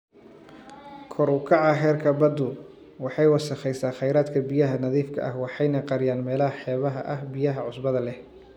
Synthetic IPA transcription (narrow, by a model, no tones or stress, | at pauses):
kʰɔɾʊkʰɑʕɑɦɛːrkʰɐbɐd̪ʊ | wɑħɑjwɑsɐχɛjsaːχɛjɾaːd̪kʰɐbijɐɦɐnɐðiːfkʰɐ̰ʔɐ̰hwɑħɑjnɐqɑɾɪjaːnmɛːlɐɦɐħɛːβɐɦɐ̰ʔɐhbɪjɐɦɐʕʊsbɐðɐlɛh